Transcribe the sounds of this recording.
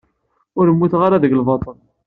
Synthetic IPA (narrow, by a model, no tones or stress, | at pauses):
ʊɾəmːuθʁaɾaðəɡlvɑt̪ˤən